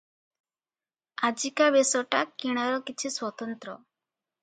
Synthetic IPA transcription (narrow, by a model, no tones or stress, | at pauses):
ad͡ʒikabesɔʈakiɽ̃aɾɔkit͡ʃʰiswɔt̪ɔnt̪ɾɔ